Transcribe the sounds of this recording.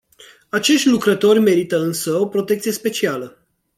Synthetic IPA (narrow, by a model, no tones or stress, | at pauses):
at͡ʃe̞ʃt̪ʲlukɾət̪o̞rʲme̞ɾit̪əɨnsəopɾo̞t̪ekt̪sije̞spe̞t͡ʃialə